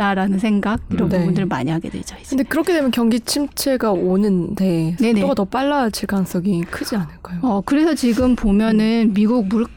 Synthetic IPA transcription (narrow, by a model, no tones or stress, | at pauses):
t͈aɾanɯnsʰe̞ŋɡaɡ̚iɾʌnneuundɯɾɯɭma̰ɲiɦaɡe̞dwe̞̰d͡ʑaikɯndekɯɾʌkʰedwe̞mjʌnkjʌŋɡit͡ɕʰimt͡ɕʰe̞ɡaonɯnte̞neoɡatʌp͈aɭːat͡ɕʰiɭk͈aŋs͈ʌɡikʰɯd͡ʑianɯɭk͈ajoʌkɯɾe̞sʰʌt͡ɕiɡɯmpomjʌnɯnmiɡuɡ̚muɭ